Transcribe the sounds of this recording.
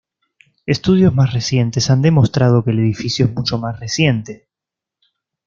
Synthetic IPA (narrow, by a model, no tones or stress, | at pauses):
est̪uð̞jo̞zmasresje̞nt̪esand̪e̞mo̞st̪ɾað̞o̞keːleð̞ifisjoezmut͡ʃo̞masresje̞nt̪e̞